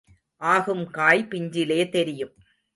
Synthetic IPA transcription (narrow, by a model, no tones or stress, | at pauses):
ʔaːɣɯmkaːjpɪɲd͡ʒɪleːt̪ɛɾɪjɯm